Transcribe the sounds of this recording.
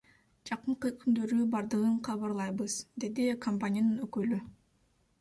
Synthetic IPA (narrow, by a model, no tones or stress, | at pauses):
d͡ʒɑqɯɴqɯkʰynd̪ø̞ɾybɑɾd̪ɯʁɯɴqʰɑβɑɾlˠɑjbɯz̥d̪e̞d̪ikʰompanʲijanɯnøkøly